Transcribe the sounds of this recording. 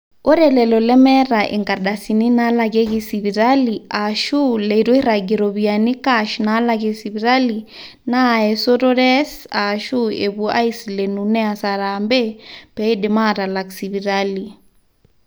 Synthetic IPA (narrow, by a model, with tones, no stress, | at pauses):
o˦ɾɛlɛ˨lɔ˨lɛ˦mɛ˦ɾa˨ʔḛ˨ŋɡa˨ɗa˨si˨ni˦na˦lake˦ki˦si˨βi˨ɾaliaʃu˦le˨two˦i˦ɾa˨ɡi˨ɾɔ˨βiani˦kaʃna˦lakesi˨βi˨ɾa˦li | na˦ɛ˨so˦to˦ɾɛsaʃu˦eβua̰˦i˦sle˨nu˨nɛ˦a˨saɾambe˦pɛ˦i˦de˨ma˦ta˨la˨ksiβi˨ɾali˨